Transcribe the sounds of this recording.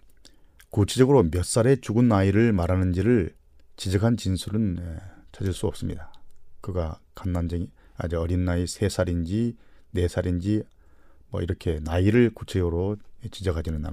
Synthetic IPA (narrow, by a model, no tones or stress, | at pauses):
kut͡ɕʰe̞d͡ʑʌɡɯɾomjʌs͈aɾe̞t͡ɕuɡɯnːaiɾɯɭmaɾɦanɯnd͡ʑiɾɯɭ | t͡ɕid͡ʑʌkʰant͡ɕinsʰuɾɯnet͡ɕʰad͡ʑiɭs͈uʌp̚s͈ɯmɲidakɯɡakanːand͡ʑeŋi | a̰d͡ʑɯʌɾinːaisʰe̞sʰaɾind͡ʑine̞sʰaɾind͡ʑi | mwʌ̰iɾʌkʰe̞naiɾɯɭkut͡ɕʰed͡ʑʌɡɯɾot͡ɕid͡ʑʌkʰad͡ʑinɯnːa̰